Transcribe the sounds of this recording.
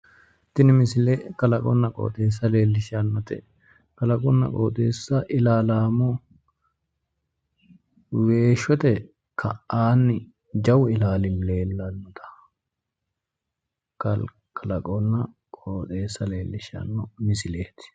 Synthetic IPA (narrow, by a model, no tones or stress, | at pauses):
t̪ɪnɪmɪsɪlekɐlɐkʼɔ̰nːɐkʼo̰ːt̪ʼeːs̬ːɐle̞ːlːɪʃɪanːɔt̪ɛ̰ | kɐlɐkʼɔnːɐ̰kʼoːt̪ʼe̞ːsːɐʔɪlaːlaːmɔ | we̞ːʃɔt̪ɛ | kʰɐʔaːnːɪ | d͡ʒɐwɪlaːlɪmle̞ːlːɐnːɔt̪ʰɐ̥ | kɐl | kʰɐlɐkʼɔnːɐkʼoːt̪ʼe̞ːsːɐle̞ːlːɪʃɪa̰nːɔmɪsɪleːt̪ɪ̥